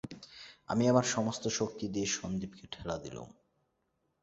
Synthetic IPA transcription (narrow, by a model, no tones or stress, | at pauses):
a̰miamaɾʃɔmost̪oʃok̚t̪id̪eʃʃond̪ibkeʈʰɛlad̪ḭlṵm